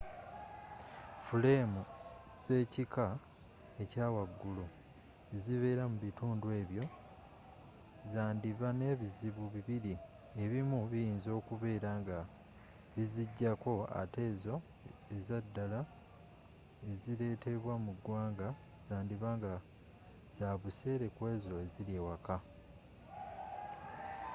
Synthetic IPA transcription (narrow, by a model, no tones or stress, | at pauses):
fule̞mu | z̥e̞ːcika | e̞caːwaɡːulu | e̞ziβe̞ːɾamuβituːndwe̞ːβjo̞ | zaːndiβane̞βiziβuβiβiɾi | e̞βimuβijiːnzo̞ːkuβe̞ːɾaːŋɡa | βiziɟːako̞a̰te̞ːzo̞ | ezadːala | e̞ziɾe̞ːte̞βwamuɡwaːŋɡa | z̥aːndiβaŋɡa | z̥aβuse̞ːɾe̞kwe̞ːzo̞e̞ziɾewaka